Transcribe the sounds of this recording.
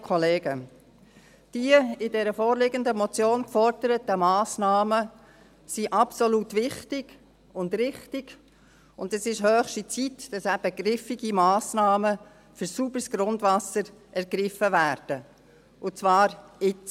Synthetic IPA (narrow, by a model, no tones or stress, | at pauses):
kʰɔleːɡə | d̥iəɪdɛɾəfɔːɾlɪɡəndəmɔt͡sjoːnkfɔɾd̥əɾət̪əmɑːsnɑːmə | siʔɑpsɔlutʋɪχtɪɡ | ʊndrɪχtɪɡ̥ | ʊndɛsɪʃhœːχʃtit͡sitd̥ɑsæb̥əɡrɪfɪɡimɑːsnɑːmə | fʏɾsubəɾsɡ̥ɾʊndvɑsəɾʔɛɾɡɾɪfəvæːɾd̥ə | ʔʊt͡svɑːɾɪt͡s